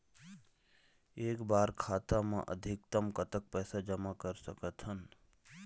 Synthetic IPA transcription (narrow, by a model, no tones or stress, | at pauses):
eːkbaːɾkʰaːt̪amã̰ʔə̰d̪ʱɪk̚t̪əmkət̪ək̚pɛːsad͡ʒəmakəɾsəkət̪ɦən